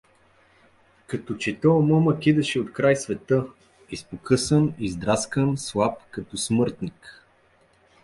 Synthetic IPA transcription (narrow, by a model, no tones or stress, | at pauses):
kɐt̪ɔt͡ʃɛt̪ɔmɔməkʲid̪ɐʃɛot̪kɾajsvɛt̪ə | ispokʰɤsənizd̪ɾaskənslˠap̚kɐt̪ɔsmɤɾt̪nik